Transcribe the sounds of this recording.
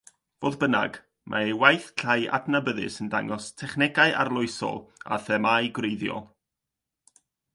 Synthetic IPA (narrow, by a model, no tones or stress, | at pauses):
v̥oːðbəna̰ɡ | mʔa̰ewajθɬʰaja̰dnabəðɨ̰səndaŋɔstʰɛχnɛɡaɨʔa̰rlˠʊɨsɔ̰lˠa̰θɛmajɡrejðjɔ̰lˠ